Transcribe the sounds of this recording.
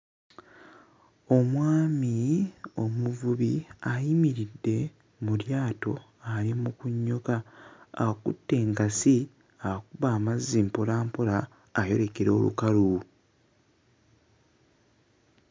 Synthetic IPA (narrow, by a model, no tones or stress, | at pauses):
o̞mwaːmio̞muvuβiajimiɾidːe̞ | muljaːto̞ | alimukuɲːo̞ka̰ː | kṵtːe̞ːŋɡasi | akuβaːmazːimpolaːmpolaː | jo̞ɾe̞keɾo̞ːlṵkalu